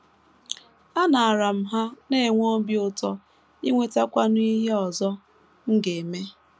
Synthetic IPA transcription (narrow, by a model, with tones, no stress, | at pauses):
a˦na˨a˨ɾa˨m̩˨˦ɦa˦ne˦˨ŋʷo˦bi˦ʊ˦tɔ˦ | i˦ŋʷe˦ta˦kʷa˦n˦i˦ɦe˦ɔ˨zɔ˦ | ŋ̩˦ɡe˨me˦